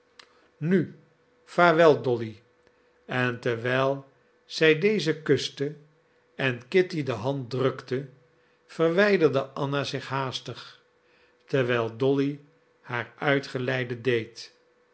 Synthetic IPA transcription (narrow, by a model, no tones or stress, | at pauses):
ny | faːɹʋɛlˠdɔli | ɛntəɹʋɛjlˠ | z̥ɛjdejzəkɵstə | ɛnkɪtidəɦɑnt̚drɵktə | v̥ərʋɛjdəɹdəʔɑnazɪχɦaːstəχ | təɹʋɛjlˠdɔli | haːɹœɥtχəlɛjdədejt